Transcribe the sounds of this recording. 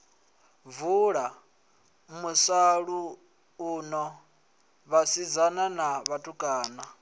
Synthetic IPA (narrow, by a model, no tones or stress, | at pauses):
vuːɺa | musaɺuː | nɔ | βasid͡zananaβatʰʼukʼaːna